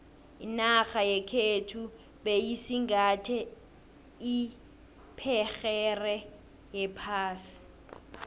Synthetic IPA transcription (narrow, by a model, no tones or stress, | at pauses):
inaxajɛkʰetʰu | ɓejisiŋɡʱatʰɛ | i | pʰɛxɛrɛ | jɛpʰaːsi̥